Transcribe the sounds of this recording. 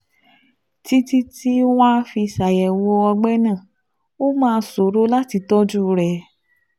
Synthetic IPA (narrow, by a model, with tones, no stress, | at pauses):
ti˦ti˦ti˦w̃ã˦fi˧sa˨jɛ˨wo˧ɔ˧ɡ͡bɛ˦nã˦˨ | o˦mãː˧˦˧so˨ɾo˦la˦ti˧tɔ˦d͡ʒu˦ɾɛ˨